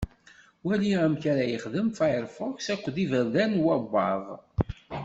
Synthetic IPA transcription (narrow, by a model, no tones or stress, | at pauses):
wæliæmçaɾæjəχðəmfɑjəɾfʊksækʷːðivæðænwæbːɑðˤ